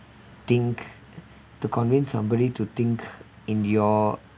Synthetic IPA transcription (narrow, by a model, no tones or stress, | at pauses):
t̪ĩŋk | tukʰɔ̃nvĩnsãmbɔɾitut̪ɪ̃ŋk | ĩnjɔ